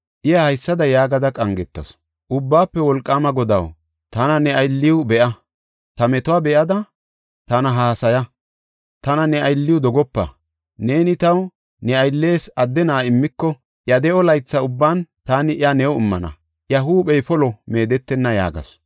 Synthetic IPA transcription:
ʔɪjɐhɐjsːɐd̪ɐjaːɡɐd̪ɐkʼɐŋɡɛt̪ːɐ̰s | ʔʊbːaːpːɛwɔlkʼːaːmɐɡɔd̪ɐ̰w | t̪ɐnɐnɛɐjlːɪwbɛʔɐ | t̪ɐmɛt̪ʊwaːbɛʔɐd̪ɐ | t̪ɐnɐɦaːsɐjɐ | t̪ɐnɐnɛɐjlːɪjʊd̪ɔɡɔpːɐ̰ | ne̞ːnɪt̪ɐw | nɛɐjlːe̞ːsɐd̪ːɛnaːɪmːɪkːɔ | ʔjɐd̪ɛɔlɐjt͡sːɐʊbːaːnt̪aːnɪɪɐnɛwɔɪmːɐnɐ̰ | ʔjɐɦuːɓɛjfɔlɔme̞ːd̪ɛt̪ːɛnːɐja̰ːɡɐ̰s

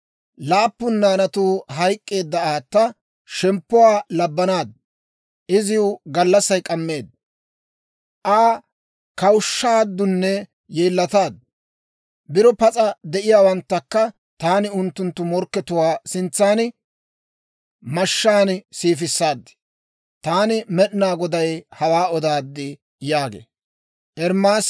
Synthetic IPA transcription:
laːpːʊnːaːnɐt̪uːɦɐjkʼːe̞ːd̪ːɐaːt̪ːɐ | ʃɛmpːʊwaːlɐbːɐnaːd̪ | ʔɪzɪʊɡɐlːɐsɐjkʼɐmːe̞ːd̪ | ʔaː | kɐwʃːaːd̪ːʊnːɛ | jeːlːɐt̪aːd̪ | bɪɾɔpɐt͡sʼɐd̪ɛʔɪjaːwɐnt̪ːɐkːɐ | t̪aːnɪʊnt̪ːʊnt̪ːʊmɔɾkːɛt̪ʊwaːsɪnt͡sːaːnɪ | mɐʃːaːnsiːfɪsːaːd̪ːɪ̥ | t̪aːnɪmɛɗnaːɡɔd̪ɐjhɐwaːɔd̪aːd̪ːɪ | jaːɡḛː | ʔɛɾmaːs

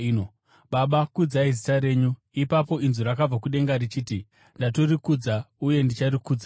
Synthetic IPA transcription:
no | ɓaɓakud͡zaizitaɾe̞ːɲu | ipapo̞inzuɾakab͡vakuɗe̞ŋɡaɾit͡ʃiːti | ndato̞rikud͡zauje̞ndit͡ʃarikuːd͡za

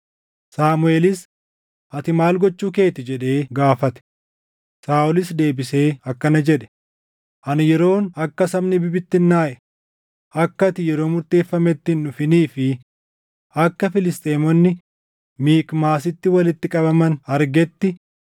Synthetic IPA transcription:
saːmʊe̞ːlɪs | ɐt̪ɪmaːlɡɔt͡ʃːuːke̞ːt̪ɪd͡ʒɛᶑe̞ːɡaːfɐt̪ɛ̥ | saːʔʊlɪsd̪e̞ːbɪse̞ːɐkːɐnɐd͡ʒɛᶑɛ̥ | ʔɐnjɛɾo̞ːnɐkːɐsɐmnɪbɪbɪt̪ːɪnːaːʔɛ̥ | ʔɐkːɐt̪ɪjɛɾo̞ːmʊɾt̪e̞ːfːɐmɛt̪ːɪnːʊfɪniːfɪ | ɐkːɐfɪlɪst̪ʼeːmɔnːɪ | miːkmaːs̬ɪt̪ːɪwɐlɪt̪ːɪkʼɐbɐmɐnɐɾɡɛt̪ːɪ

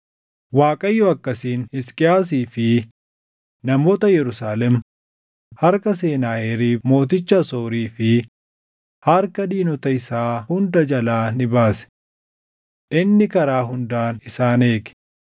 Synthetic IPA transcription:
waːkʼɐjːɔɐkːɐsiːnɪskʼɪjaːs̬iːfɪ | nɐmo̞ːt̪ɐjɛɾʊsaːlɛm | hɐɾkɐs̬e̞ːnaːʔɛɾiːmo̞ːt̪̬ɪt͡ʃːɐsoːɾiːfɪ | hɐɾkɐd̪iːnɔt̪ɐɪsaːhʊnd̪ɐd͡ʒɐlaːnɪbaːsɛ̥ | ʔɪnːɪkɐɾaːɦʊnd̪aːnɪsaːne̞ːɡɛ̥

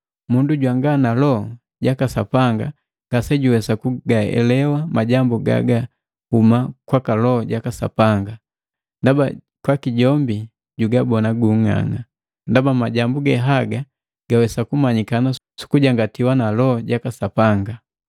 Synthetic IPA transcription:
munduɟwaŋɡanalɔ | ɟakasa̰paŋɡa | ɡ̥asɛɟuwɛsakuɡaɛ̰lɛwamaɟambuɡa̰ɡa | humakwakalɔɟakasa̰paŋɡa | ndaba | kwakiɟɔmbi | ɟuɡabɔnaɡuŋa̰ŋa | ndabamaɟambuɡɛɦaɡa | ɡ̥awɛsakumaɲikana | su̥kuɟaŋɡatiwanalɔɟakasapaŋɡa

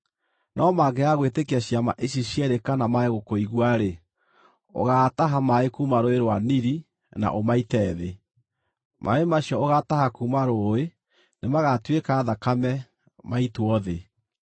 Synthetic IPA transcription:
nʔɔmaɡɛaɣwetekeaɕjamaʔeɕiɕjɛɾekanamaeɣokoiɣwaɾe | o̰ɣaːtaɦamaekumaɾoeɾwaniɾi | na̰ʔomaitɛːðe | mʔa̰emaɕjɔoɣatahakumaɾoe | nemaɣatwekaðakamɛ | maitwɔðe

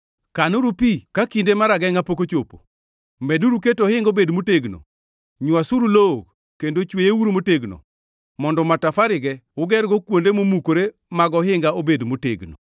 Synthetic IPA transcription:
kanoɾupikakindemaɾaɡɛŋapokot͡ʃopo̰ | mɛduɾuketɔhɪŋɡobedmoteɡno̰ | ɲwasuɾulok | kːendot͡ʃwejewuɾmoteɡno̰ | mɔndɔmatafaɾɪɡɛʊɡɛɾɡɔkwondemomukoɾe | maɡɔɦɪŋɡaobedmotḛɡno̰

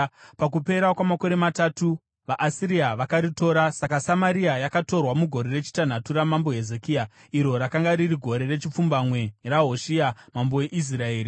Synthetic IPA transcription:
pak̬upe̞ɾakwamako̞ɾe̞matatu | ʋaʔːsiɾiaʋakaɾito̞ɾasakasamaɾiajakato̞rwamuɡʱo̞ɾe̞re̞t͡ʃi̥tan̤atuɾamambo̞ɦe̞zekia | iɾo̞ɾakaŋɡaɾiriɡʱo̞ɾe̞re̞t͡ʃip͡fumbamwe̞raɦo̞ʃiamamboe̞ʔis̬rae̞ːri

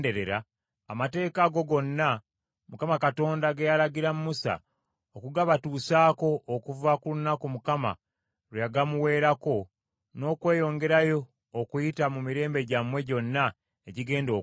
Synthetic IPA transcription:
de̞ɾeɾaː | mate̞ːkaɡo̞ɡo̞nːa | mukamakato̞ːndaɡejalaɡiɾamumusa̰ | okuɡaβatuːsaːko̞ʔːkuvakulunakumukama̰ | ɾweaɡamuwe̞ːɾako̞ | no̞ːkwe̞ːjo̞ŋɡe̞ɾajo̞ː | kujitamumiɾe̞ːmbe̞ɟamwe̞ɟo̞nːa | eɟiɡe̞ːndo̞ː

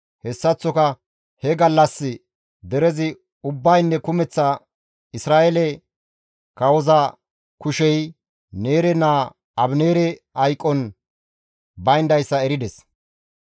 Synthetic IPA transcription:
hɛsːɐt͡sːɔkɐ | hɛɡɐlːɐsːɪ | d̪ɛɾɛzɪ | ʊbːɐjnːɛkʊmɛt͡sːɐ | ɪsɾaːɛlɛ | kɐwɔzɐ | kʊʃɛj | ne̞ːɾɛnaː | ɐbneːɾɛ | ɐjkʼːɔn | bɐjnd̪ɐjsːɐɛɾɪd̪ɛs

